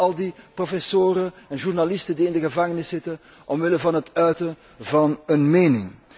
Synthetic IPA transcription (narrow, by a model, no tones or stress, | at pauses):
ɑlˠdiprofɛsoːɾəɛnʒurnalɪstəndiɪndəɣəvɑŋənɪsɪtən | ʔɔmʋɪləvɑnɦətœɥtə | vɑnənmeːnɪŋ